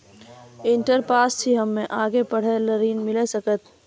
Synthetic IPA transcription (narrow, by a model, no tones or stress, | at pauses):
ɪ̃ɳʈəɾpaːst͡ʃʰiɦəmːẽʔaːɡepəɽ̤eləɾiːnmɪlesəkət̪̚